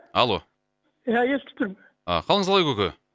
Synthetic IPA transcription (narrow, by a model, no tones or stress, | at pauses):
ɑlˠo̞ | jajelt̪ʰɪ̥t̪ɪɾm | ɑ̰qʰɑlˠəɴəzɑlˠɑjkʲɵkʲe